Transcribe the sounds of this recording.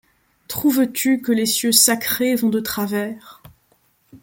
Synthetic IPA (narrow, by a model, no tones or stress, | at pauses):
t̪χuvt̪ykəlesjøsakχevɔ̃d̪ət̪χavɛːʁ